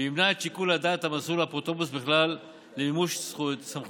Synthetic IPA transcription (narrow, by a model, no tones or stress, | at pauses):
imnat͡ʃikulad̪at̪hamasulapʁot̪obusbeχlalː | eimuʃssam